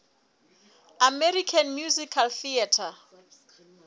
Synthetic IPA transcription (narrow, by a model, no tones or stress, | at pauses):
amɛɾikʰanmjuzikʰalθiatʰa